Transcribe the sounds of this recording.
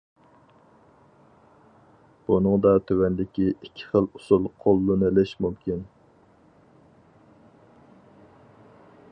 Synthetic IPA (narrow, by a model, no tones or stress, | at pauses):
b̥unɨŋd̪ɑt̪ʰøwɛnd̪ɪkʲiikʲʰːi̥χəlˠusulˠqʰolˠːunɨlɪʃmumkʲin